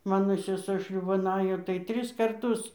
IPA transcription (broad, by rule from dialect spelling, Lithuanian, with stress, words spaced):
ˈmɑːnoː sʲɛˈsuɔ ˈʃʲlʲuːbɐn ˈɑːjoː tɐɪ ˈtʲrʲɪs kɐrˈtʊs